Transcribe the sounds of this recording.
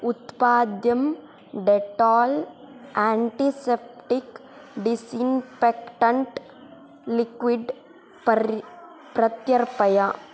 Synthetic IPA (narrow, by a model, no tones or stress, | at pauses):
ut̪paːd̪jɐm | ɖeʈaːl | aːɳʈisep̚ʈik | ɖisinfekʈɐɳʈ | likʋiɖ | pɐɾ | pɾɐt̪jɐɾpɐjɐ